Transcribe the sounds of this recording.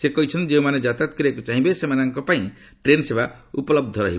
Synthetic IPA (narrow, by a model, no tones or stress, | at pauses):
sekɔɦit͡ʃʰɔnt̪id͡ʒeũmaned͡ʒat̪at̪̚kɔɾiekut͡ʃaɦĩbesemanɔŋkɔpaĩ | ʈɾensebaupɔlɔb̚d̪ʱɔɾɔ̰ɦib